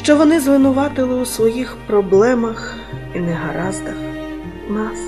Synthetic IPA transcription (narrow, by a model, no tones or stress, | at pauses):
ʃt͡ʃɔʋɔnɪzʋɪnʊʋɑt̪ɪlˠɪusʋɔjixpɾɔblˠɛmɐx | inɛɦɐɾɑzd̪ɐx | nɑs